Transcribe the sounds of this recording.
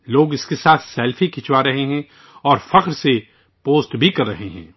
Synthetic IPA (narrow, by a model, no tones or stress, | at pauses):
loːɡɪskesaːt̪ʰsɛːlfikɪt͡ʃwaɾɐɦeɦɛ̃ | ɔːɾfɐqɾse | poːsʈbʱikɐɾːɐɦeɦɛ̰̃ː